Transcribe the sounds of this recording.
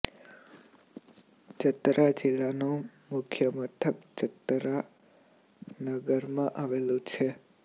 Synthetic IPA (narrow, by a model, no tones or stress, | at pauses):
d͡ʒət̪ɾʔad͡ʒɪlanũ | mʊkʰjəmət̪ʰəkd͡ʒət̪ɾa | nəɡəɾmãʔaʋelũt͡ʃʰe